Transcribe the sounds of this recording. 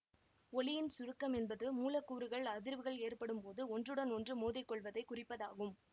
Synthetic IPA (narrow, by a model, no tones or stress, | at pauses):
ɔɭɪjɪnsʊɾɯkːɐmɛnbɐðɯmuːlɐkːuːɾɯɣɐɭɐðɪɾʋɯɣɐɭeːrpɐɽɯmpoːðɯɔndrɯɽɐnɔndrɯmoːðɪkːɔɭʋɐðɐɪkʊrɪpːɐðaːɣɯm